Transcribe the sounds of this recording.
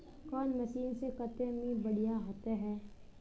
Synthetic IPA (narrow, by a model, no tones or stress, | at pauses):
kɔːnmɐʃiːnsekɐt̪ẽmĩbɐɽ̤ijaɦot̪eɦɛː